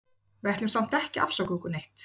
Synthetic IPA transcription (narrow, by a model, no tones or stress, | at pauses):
vɛht̪lʏmsam̥t̪ɛhcɪʔa̰fsawkukʏnejht̪